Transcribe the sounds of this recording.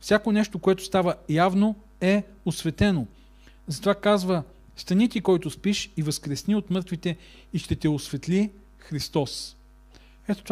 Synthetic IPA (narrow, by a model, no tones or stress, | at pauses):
fsʲakonɛʃt̪okoɛt̪ʊst̪avəjavno | ɛ | osvɛt̪ɛno | zɐt̪ovakazvə | st̪ɐnit̪ikɔjt̪ʊspiʃivɐskɾɛsniot̪mɤɾt̪vit̪ɛ | iʃt̪ɛt̪ɛosvɛt̪li | xɾist̪ɔs | ɛt̪ot̪